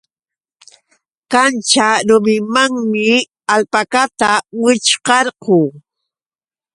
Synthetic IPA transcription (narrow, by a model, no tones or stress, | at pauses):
kant͡ʃaɾʊmɪmaŋmɪ | alpakat̪awɪt͡ʃqɑɾqʊː